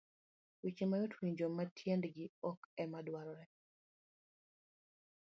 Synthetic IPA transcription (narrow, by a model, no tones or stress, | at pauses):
wit͡ʃimajotwiɲd͡ʒomatʰjendɡɪɔkɛmadwaɾɔɾɛ